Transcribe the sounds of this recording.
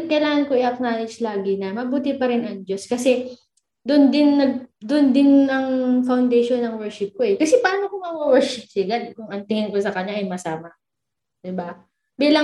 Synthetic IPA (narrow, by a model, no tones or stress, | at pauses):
kɐjlaːŋɐnkoʔɪʔɐk̚naːlɪd͡ʒlaːɡɪnɐmɐbuːt̪ɪpɐɾɪnʔɐŋd͡ʒoskɐsɛ | d̪ʊnd̪ɪnːɐɡ̚d̪ʊnd̪ɪnːɐŋfɐwnd̪ɛjʃonːɐŋwɛɹʃɪp̚koʔɛkɐsɛpaːɾɐŋɐkʊmɐwowɛɹʃɪp̚sɪɡɐlkʊŋɐnt̪ɪhɪnkosɐkɐɲaʔɐjmɐsaːmɐ | d̪ɪba | biːlɐ